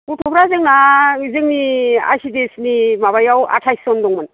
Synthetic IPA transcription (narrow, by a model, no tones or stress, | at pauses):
utʰɔbɾazɯŋaizɯŋnia̰jsidesnimaβajawa̰tʰajsɔndɔŋmɯn